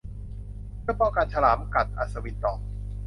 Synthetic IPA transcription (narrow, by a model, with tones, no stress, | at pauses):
pɯ˥˩pɔː˧kaː˧nt͡ɕʰa˧laː˩˦mka˨˩t̪̚ʔa̰˨˩t̪sa˧wi˦˥t̪ːɔː˨˩